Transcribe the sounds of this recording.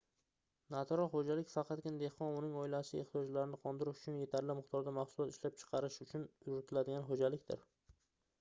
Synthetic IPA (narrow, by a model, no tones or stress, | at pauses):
nat̪ʰɾɒhod͡ʒalɪkʲfɑqʰɑt̪kʲɪnad̪ehqɒnʊnɪŋɒɪlaʃɪḛht̪ijɒd͡ʒlaɾɪnɪqʰɒnd̪ɪɾɪʃʊ̥t͡ʃʰʊnje̞t̪ʰaɾlɪmɪχt̪ʰɒɾd̪amaχsʊlˠɒt̪ɪʃlap̚t͡ʃʰɨ̥qʰɑɾɪʃʊt͡ʃʰʊnjɾɪt̪ʰɪlad̪ɪɡʲanɦod͡ʒalɪkʲt̪ɪ̰ɾ